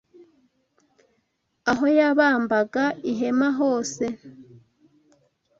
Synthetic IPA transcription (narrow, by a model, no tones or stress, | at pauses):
aɦo̞jaβaːmbaɡaiɦe̞maɦo̞ːse̞